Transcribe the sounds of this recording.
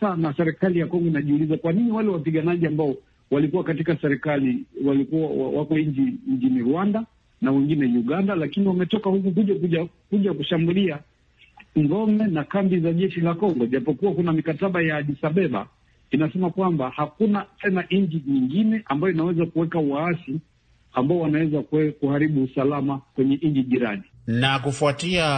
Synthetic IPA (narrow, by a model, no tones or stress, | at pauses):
anasɛɾɛkalijakɔŋɡɔinaʄiulizakwaniɲiwalɛwapiɠanaʄiambaɔ | walikuwakatikasɛɾɛkaliwalikua̰wakɔiɲd͡ʒiɲ̩t͡ʃiniɾuanda | nawɛŋɡinɛjuɠandalakiniwamɛtɔkahukukuʄakuʄa | kuʄakuʃambulia | ŋɡɔmɛnakambizaʄɛʃilakɔŋɡɔʄapɔkuwakunamikataɓajaʄisaɓɛɓa̰ | inasɛmakwambahakunatɛnaʔɲd͡ʒiɲiŋɡinɛʔambajɔinawɛzakuwɛkauwaasi | ambaɔwanawɛzakkuhaɾiɓuːsalamakwɛɲɛʔɲd͡ʒiʄiɾa̰ni | nakufuatia